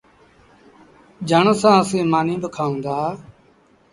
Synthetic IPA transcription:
d͡ʒəɳsãːəsẽːmaːnĩːbəkʰaːũːnd̪aː

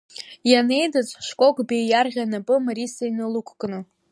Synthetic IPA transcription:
jane̞jdat͡sʷʼʂkʷʼo̞kʼbejjarʁʲanapʼɨmaɾisainɨlukʷʰkʼnɨ

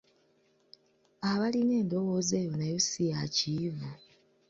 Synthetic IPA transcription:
aβaline̞ːndo̞woːzeːjo̞najosijaciːvu

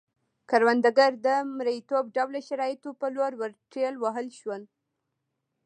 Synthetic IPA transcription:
kaɾwand̪aɡaɾd̪əmɾəjit̪ob̚ɖawlaʃaɾɑjɪt̪opəloɾwəɾʈɾelwaɦəlʃwəl

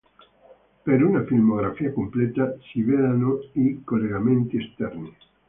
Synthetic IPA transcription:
peɾunafilmoɡɾafiːakompleːt̪asivelanoikolːeɡament̪iest̪ɛrni

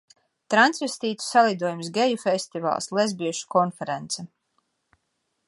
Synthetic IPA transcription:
t̪ɾant̪svɛst̪iːt̪u̥salˠid̪uɔjums̬ɡɛjufest̪iva̰ːlˠslˠezbiɛʃu̥kɔnfɛɾent̪sɛ

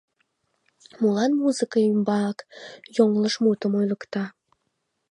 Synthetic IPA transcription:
mulɑnmuzɨkɑimbɑkjoŋlˠəʃmut̪əmojlə̆kt̪ɑ

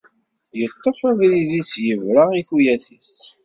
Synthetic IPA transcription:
jət̪ˤːəfæðɾiðisjəvɾaiθujæθəs

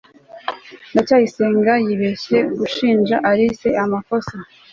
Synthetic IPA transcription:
ndacaːjiseːŋɡajiβeʃe̞ɡuʃiːnʒaʔaɾise̞amafosa

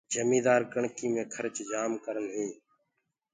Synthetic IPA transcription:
d͡ʒʱəmĩːd̪aːɾkəɳkiːmẽːkʰəɾt͡ʃd͡ʒaːmkəɾənɦeː

